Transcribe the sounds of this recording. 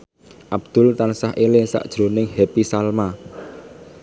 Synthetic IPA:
ʔabd̪̥ʊ̤lt̪ansaɦʔelesa̰ʔd̥ʒ̥ɾonɪŋhepisalma

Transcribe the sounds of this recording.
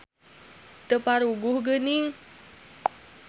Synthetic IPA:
t̪əpaɾuɡʊhɡənɪŋ

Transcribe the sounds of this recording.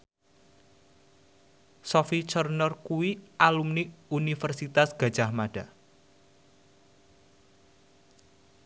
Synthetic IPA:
sɔfit͡ʃərnɔrkuwialumniunifərsit̪asɡ̥a̤̥d͡ʒ̥ahmaɖ̥a

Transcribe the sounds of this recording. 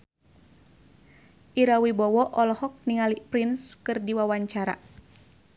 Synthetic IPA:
ʔiɾawibɔwɔʔɔlɔhɔk̚niŋalipɾinskɨrdiwawaɲt͡ʃaɾa̰

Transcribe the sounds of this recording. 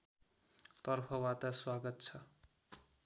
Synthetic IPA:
t̪ʌrpʰʌwat̪aswaɡʌt̪t͡sʰʌ

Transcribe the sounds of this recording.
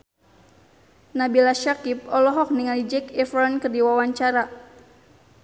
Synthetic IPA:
nabilaʃakip̚ɔlɔɦɔk̚niŋalid͡ʒɛkɛfɾɔnkɨrdiwawaɲt͡ʃaɾa

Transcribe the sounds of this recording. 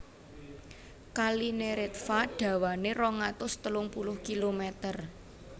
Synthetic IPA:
kalineɾɪt̪̚faɖ̥ä̤waneɾɔŋat̪ʊst̪əlʊŋpulʊhkilomet̪ər

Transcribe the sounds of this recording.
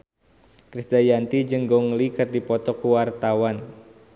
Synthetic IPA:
kɾisd̪ajant̪id͡ʒəŋɡɔŋlikɨrdipɔt̪ɔkuwart̪awan

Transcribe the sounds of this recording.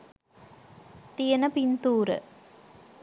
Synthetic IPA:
t̪ijənəpint̪uːɾə̰

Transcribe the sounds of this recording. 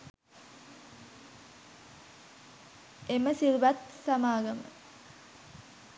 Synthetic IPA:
eməsiɾuʋat̪sɐmaːɡɐmə̰

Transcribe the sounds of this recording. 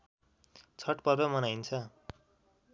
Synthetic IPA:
t͡sʰʌʈpʌrd̪ʌmʌnajnt͡sʰʌ

